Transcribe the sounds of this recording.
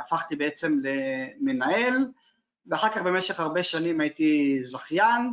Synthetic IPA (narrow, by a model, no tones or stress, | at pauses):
afaχt̪ibeet͡se̞mlemenae̞l | veaχaʁkaχbe̞meʃeχaʁbe̞ʃanimait̪izaχjan